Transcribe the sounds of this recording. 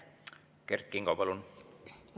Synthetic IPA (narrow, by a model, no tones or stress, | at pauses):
kerkːiŋɡ̥ɑpɑlun